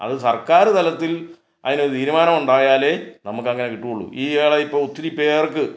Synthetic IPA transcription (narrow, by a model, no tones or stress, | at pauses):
ɐ̰ðɨsɐrkaːɾɨt̪ɐlɐt̪ːil | ɐ̰ðinoɾut̪ʰiːɾumaːnɐmuɳɖaːjaːle̞ːnɐmukːɐŋːɐne̞kiʈːukoɭːṵʔiːʋeːɭɐipːoːut̪ːiɾipːeːrkɨ